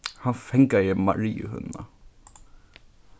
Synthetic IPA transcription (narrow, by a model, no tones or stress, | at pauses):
hanfɛŋkajəma̰ɾiːə̰hɵ̰nːa̰